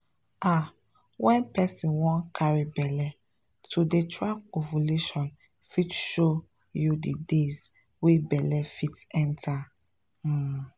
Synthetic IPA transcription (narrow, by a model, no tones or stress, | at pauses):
a | wɛ̃npɛsĩnwɔ̃nkʰaɹibɛlɛ | tʰudetʰɹakovoleʃɔ̃n | fitʃo | judidez | webɛlɛfitɛ̃ntʰa